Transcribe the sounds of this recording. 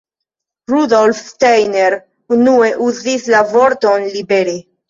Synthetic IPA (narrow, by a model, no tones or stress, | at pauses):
ɾudo̞lftejneɾ | unue̞ʔuzislavo̞ɾto̞nlibeɾe